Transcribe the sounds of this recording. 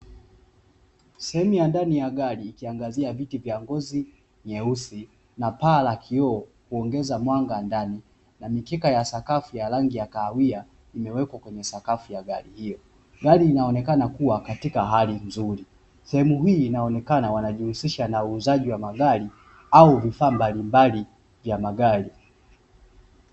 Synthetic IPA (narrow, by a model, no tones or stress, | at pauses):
sɛhɛmujandanijaɠaɾiːkiaŋɡaziavitivjaŋɡɔzi | ɲɛusi | napaːlakʰiɔː | huɔŋɡɛzamwaŋɡandani | namikɛkajasakafujaɾaŋɡijakawia | imɛwɛkwakwɛɲɛsakafujaɡalihijɔ | ɡaliːnaɔnɛkanakuwakatikaɦalinzuɾi | sɛhɛmuɦiːnaɔnɛkanawanaʄihusiʃanauːzaʄiwamaɡali | auvifaːmbalimbali | vjamaɡali